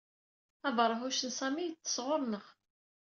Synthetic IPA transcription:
ævɾˤəɦuʃənsæmijət͡sːə̥sʁʊɾˤnəʁ

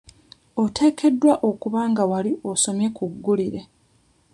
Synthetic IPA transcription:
o̞tʰe̞ːke̞dːwaʔo̞kuβaːŋɡawalioso̞mje̞kuɡːuliɾe̞

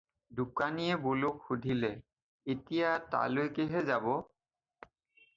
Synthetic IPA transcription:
dukanijɛbolʊkxudʱilɛ | etijata̰lojkeɦɛzabɔ

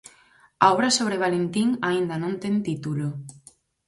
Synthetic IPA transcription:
a̰ɔβɾasoβɾeβalent̪iŋaind̪anõnt̪ent̪it̪ulo

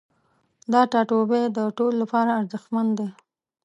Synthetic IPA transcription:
d̪ɑʈɑʈobed̪əʈololapɑɾaːɾzəxmand̪e

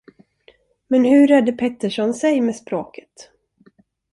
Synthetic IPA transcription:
mɛnhɵɾɛd̪ːəpʰɛt̪ːəʂɔnsɛjmeːspɾoːkʰə̥t̪

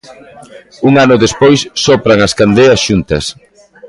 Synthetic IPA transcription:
uŋanʊðespojsːɔpɾaŋɐskand̪eɐsʃunt̪ɐs

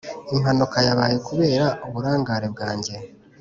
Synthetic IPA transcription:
im̥hanukajaβaːjekuβe̞ːɾauβuɾaːŋɡaɾebɡaːɲɟe̞

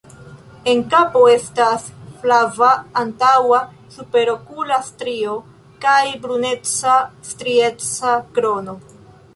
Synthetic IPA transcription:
e̞ŋkapo̞e̞stasflavaːntawa | supe̞ɾo̞kulastɾio̞ | kajbɾune̞t͡sastɾie̞t͡sakɾo̞no̞

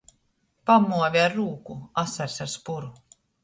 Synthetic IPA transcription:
pamːuɔvʲiaɾːuːkuasaɾsaɾspuɾu

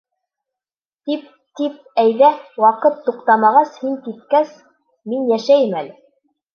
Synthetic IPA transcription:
t̪ip̚ | t̪ip̚æjðæwɑqɤt̪ːuqt̪ɑmɑʁɑshiŋkit̪̚kæs | minjæʃæjɘmælɘ

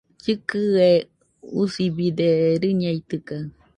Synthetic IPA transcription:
t͡ʃɨkɨe | usibid̪eɾɨɲait̪ɨka

